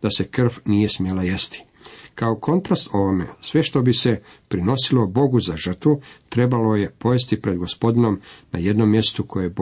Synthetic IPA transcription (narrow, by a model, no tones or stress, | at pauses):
d̪̥ase̞kr̩fnije̞smjelajest̪i̥ | kaokʰo̞nt̪ɾast̪o̞ʋomḛsʋe̞ʃt̪o̞bise̞ | pɾino̞silo̞bo̞ɡuzaʒr̩t̪ʋut̪ɾe̞balo̞je̞po̞jest̪ipɾe̞d̪ɡo̞spo̞d̪ino̞mna̰je̞d̪no̞mje̞st̪ukʰo̞je